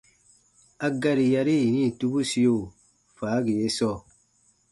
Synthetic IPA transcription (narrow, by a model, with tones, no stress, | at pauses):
a˧ɡa˦ɾi˨ja˧ɾi˦i˨nĩ˦˨tu˦bu˦si˧jo˦˨ | faː˨˦ɡe˨je˦sɔ˦˨